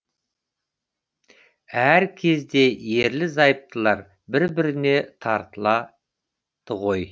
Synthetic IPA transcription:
æɾkʲʰe̞zd̪e̞je̞ɾlɪzɑjəp̚t̪ʰəlˠɑɾ | bɪɾbɪɾɪne̞t̪ʰɑɾt̪əlˠɑ | t̪ʰəʁo̞j

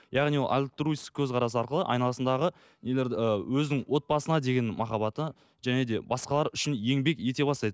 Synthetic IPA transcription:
jɑʁnijolˠʔa̰lʲt̪ɾujskʲʰɵzqʰɑɾɑs̬əɑɾqəlˠə̰ʔɑ̰jnɑlˠɑsənd̪ɑʁə | neleɾwɵzɪnɪŋwo̞t̪̚bɑsənɑd̪e̞ɡʲe̞nmɑχɑbɑt̪ə | ʒ̥æne̞d̪e̞bɑsqɑlˠɑɾʏʃɪnje̞ŋbe̞kje̞t̪e̞bɑst̪ɑjd̪ə

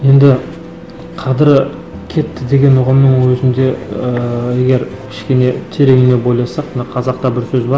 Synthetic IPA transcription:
je̞nd̪ɪ | qʰɑd̪ɪɾ | kʲʰe̞t̪ːɪd̪e̞ɡʲe̞nʊʁəmnəŋwɵzɪnd̪e̞ | je̞ɡʲe̞ɾkʲʰɪ̥ʃkʲe̞ne̞t̪ʰe̞ɾe̞ɡʲɪne̞bo̞jlˠɑsɑq̚mnɑqʰɑzɑq̚t̪ɑbɪɾsɵzbɑɾ

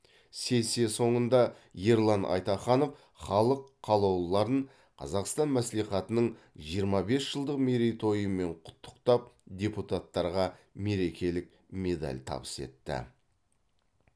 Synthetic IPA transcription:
se̞sieso̞ɴənd̪ɑ | je̞ɾlˠɑnʔɑ̰jt̪ɑχɑno̞f | χɑlˠəqʰːɑlˠɑwlˠlˠɑɾəɴ | qʰɑ̰zɑqst̪ɑnmæsliχɑt̪ənəɴ | ʒijəɾmɑbe̞sʒ̥əlˠd̪əqmeɾejt̪ʰo̞jəmːe̞ɴqʰʊ̥t̪ʰːə̥qt̪ɑp̚d̪ʲe̞put̪at̪ːɑɾʁɑme̞ɾe̞kʲe̞lɪk̚ | me̞d̪a̰lʲt̪ʰɑ̰bə̥se̞̰t̪ːɪ̰

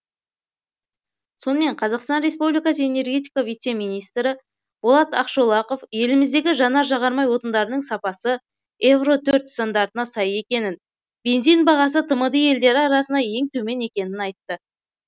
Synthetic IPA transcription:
so̞nəme̞ɴqʰɑzɑqst̪ɑnɾe̞spublijkɑsəe̞ne̞rɡʲe̞t̪ijkavijt̪se̞mijnijst̪ɾɪ | bolˠɑt̪ɑqʃolˠɑqo̞fje̞lɪmɪzd̪e̞ɡʲɪʒɑnɑɾʒɑʁɑɾmɑjwo̞t̪ənd̪ɑɾənəɴsɑpɑsə | e̞vro̞t̪ʰɵɾt̪st̪and̪ɑɾt̪ənɑsɑje̞kʲe̞nɪn | b̥e̞nzijnbɑʁɑsət̪ʰəməd̪əje̞ld̪e̞ɾɪɑɾɑsənɑje̞ŋt̪ʰɵme̞ne̞kʲe̞nɪnɑjt̪ːə

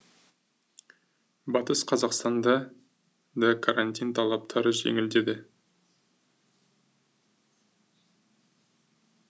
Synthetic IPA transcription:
bɑt̪əsqʰɑzɑqst̪ɑnd̪ɑ | d̪ɑkʰaɾanʲt̪ʲijnt̪ʰɑlˠɑp̚t̪ʰɑɾəʒḛŋɪld̪e̞d̪ɪ

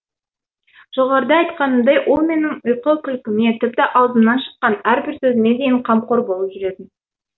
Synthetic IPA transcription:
ʒ̥o̞ʁɑɾəd̪ɑɑjt̪qɑnəmd̪ɑjwʔo̞lˠme̞nɪŋʊjqəkʲʰʏlkʲɪme̞t̪ʰɪp̚t̪ɪʔɑwˠzəmnɑnʃə̥qːɑnæɾbɪɾsɵzɪne̞d̪e̞jɪɴqʰɑmqo̞ɾbo̞lˠəpʒʏɾe̞d̪ɪn

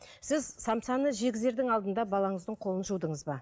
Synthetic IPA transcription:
sɪzsɑmsɑnəʒe̞ɡʲɪzeɾd̪ɪŋɑlˠd̪ənd̪ɑbɑlˠɑɴəzd̪əɴqʰo̞lˠənʒuwd̪əɴəzbɑ

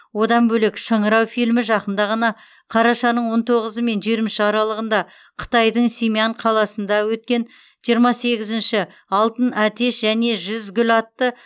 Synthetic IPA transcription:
wo̞d̪ɑmbɵlekʃəɴəɾɑwfijlmɪʒɑqənd̪ɑʁɑnɑ | qʰɑɾɑʃɑnəɴwo̞nt̪ʰo̞ʁəzəme̞nʒeɾmɪʃɑɾɑlˠəʁənd̪ɑ | qʰə̥t̪ɑjd̪əɴsʲemʲiaɴqʰɑlˠɑsənd̪ɑwɵt̪̚kʲe̞n | ʒ̥ijəɾmɑse̞ɡʲɪzɪnʃɪ | ɑlˠt̪ənæt̪e̞ʃʒæne̞ʒʏzɡʲʏlɑt̪ːə

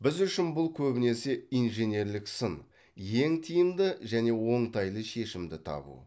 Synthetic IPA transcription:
bɪzʏʃɪnbʊlˠkʲʰɵbɪne̞seijnʒe̞ne̞ɾlɪksən | je̞ŋt̪ʰijɪmd̪ɪʒæne̞wo̞ɴt̪ʰɑjlˠəʃe̞ʃɪmd̪ɪt̪ʰɑ̰bṵ

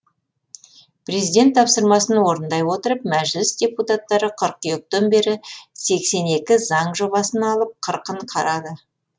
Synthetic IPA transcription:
pʰre̞zijd̪ʲe̞nt̪ʰːɑpsəɾmɑsənwo̞ɾənd̪ɑjwo̞t̪əɾəp̚mæʒlɪsd̪ʲe̞put̪at̪ːɑɾəqʰəɾq̚ijok̚t̪ombe̞ɾɪse̞kse̞ne̞kʲɪzɑɴʒo̞βɑsənɑlˠəp̚qʰəɾqəɴqʰɑɾɑd̪ə

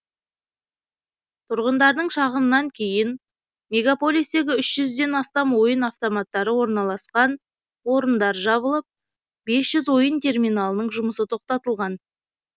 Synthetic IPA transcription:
t̪ʰʊɾʁənd̪ɑɾd̪əɴʃɑʁəmnɑŋkʲʰe̞jɪn | me̞ɡapo̞lʲˠisd̪e̞ɡʲɪʏʃʒ̥ʏzd̪e̞nɑst̪ɑmwo̞jənaft̪omat̪ːɑɾəwo̞ɾnɑlˠɑsqɑn | wo̞ɾənd̪ɑɾʒɑβəlˠəp̚ | be̞sʒ̥ʏzwo̞jənt̪ʰe̞rmʲijnalˠənəɴʒʊməsət̪ʰo̞q̚t̪ɑt̪əlˠʁɑn

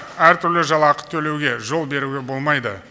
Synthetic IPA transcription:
æɾt̪ʰʏɾlɪʒɑlˠɑqə̥t̪t̪ʰɵle̞wɡʲe̞ʒo̞lˠbe̞ɾuɡʲe̞bo̞lˠmɑjd̪ə

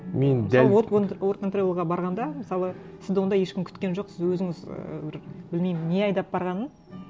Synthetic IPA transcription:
me̞nd̪ælˠowot̪kʰont̪rolʲlˠʁɑbɑɾʁɑnd̪ɑmɪsɑlˠə | sɪzd̪wond̪ɑjeʃkʲɪmkʰʲʏ̥t̪kʲe̞nʒoqsɪzwɵzɪŋɪzə̰bɪɾbɪlmejmɪnːe̞ɑjd̪ɑp̚bɑɾʁɑnən

